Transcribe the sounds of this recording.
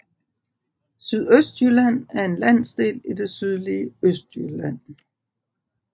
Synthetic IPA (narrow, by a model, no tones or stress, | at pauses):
syð̞ˠøsd̥jylæn̰æɐe̝nlæn̰sd̥e̝̰ːlid̥e̝syð̞ˠliəøsd̥jylæn̰